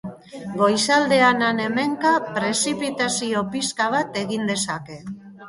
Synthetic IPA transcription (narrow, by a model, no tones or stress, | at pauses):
ɡo̞jsald̪e̞anane̞me̞ŋkapɾe̞sipit̪asio̞piskaβ̞at̪e̞ɣind̪e̞sake̞